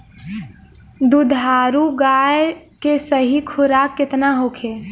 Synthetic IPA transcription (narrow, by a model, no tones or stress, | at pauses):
d̪ud̪ʱaːɾuɡaːjkesəɦikʰʊɾakːɪt̪naɦokʰe